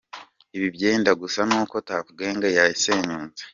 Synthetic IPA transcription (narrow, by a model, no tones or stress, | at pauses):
iβibjɟeːndaɡusanuːko̞takuɡe̞ːŋɡajajise̞ːɲuːnze̥